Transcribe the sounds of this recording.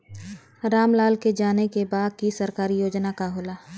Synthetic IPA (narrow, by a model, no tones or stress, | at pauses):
ɾaːmlaːlked͡ʒaːnekebaːd̪̚kisəɾkaːɾijoːd͡ʒnakaɦʊːlaː